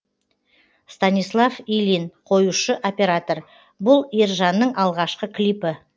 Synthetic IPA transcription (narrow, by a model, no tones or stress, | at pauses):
st̪anʲislˠafilinqʰo̞juʃəʔo̞pʲe̞ɾat̪o̞r | bʊlˠirʒɑnːəɴʔɑlˠʁɑʃqəkʲʰlipɪ